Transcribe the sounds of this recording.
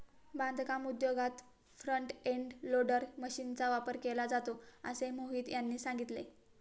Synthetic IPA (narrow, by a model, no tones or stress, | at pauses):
band̪ʱkamud̪joɡat̪ | fɾəɳʈeɳɖloɽəɾməɕiːnt͡saʋapəɾkelad͡zat̪oə̰semoɦiːt̪janːiːsãŋɡit̪le